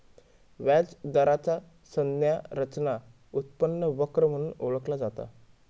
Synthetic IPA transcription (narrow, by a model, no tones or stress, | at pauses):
ʋad͡zd̪əɾat͡sa | sənjaɾət͡ɕna | ut̪̚pənːəʋəkɾəm̤əɽ̃uːnoɭəklad͡zat̪a̰